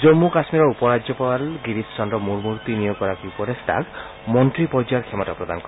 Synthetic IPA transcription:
d͡ʒomːukasmiɾɔupɔɾad͡ʒjɔpawalɡiɾissɔnɾɔmuɾmuɾt̪inijɔkɔɾakiupɔɾesʈa̰k | mɔntɾipɔɾd͡ʒaɾkʰemɔʈapɾɔd̪anɔkɔɾ

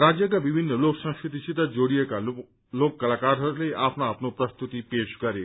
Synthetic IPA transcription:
ɾad͡ʒjəkabibʱinːəloksə̃skɾit̪isit̪əd͡ʒoɽijeka | lokːəlakaɾɦəɾlejʔapnaːpnopɾəst̪ut̪ipeʃkəɾe

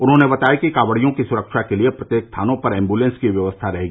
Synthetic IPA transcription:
ʊnɦõnebɐt̪aːikikaːʋəɽijõkisʊɾəkʃakeliepɾɐt̪jeːkst̪ʰaːnõpɐɾɛ̃ːmbulẽːnskiʋjɐʋəst̪ʰaɾɛɦeɡiiː

